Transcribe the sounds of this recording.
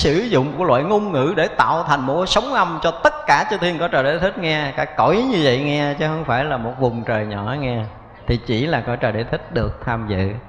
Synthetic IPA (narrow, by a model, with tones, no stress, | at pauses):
sɨ˧˩zʊ̰˧˨ŋ͡mlwa̰ː˧˨jŋʊ˧ŋ͡mŋɨ̰˧˥ɗe˧˩t̪a̰ː˧˨wt̪ʰa˨˩ŋ̟mo˨˩t̚kɔ˨˦sə˨˦wŋ͡mʔa˧mt͡ɕɔ˧t̪ə˦˥t̚kaː˧˩t͡ɕɨ˧˦t̪ʰi˧ənkɔ˧˨˦t͡ɕəː˨˩jɗe˧˩˦t̪ʰi˦˥k̟̚ŋɛ˧kaː˧˥kɔ˧˩jɲɨ˧və̰˧˨jŋɛ˧t͡ɕə˨˦hə˧ŋ͡mfaː˧˩jlaː˨˩mo˨˩t̚vʊ˨˩ŋ͡mt͡ɕəː˨˩jɲɔ̰˧˩˦ŋɛ˧ | t̪ʰi˨˩t͡ɕi˧˩laː˨˩kɔ˧˦˥t͡ɕəː˨˩ɗe˧˩˦t̪ʰi˦˥k̟̚ɗɨ˨˩ək̚t̪ʰaː˧mzɨ̰˧˨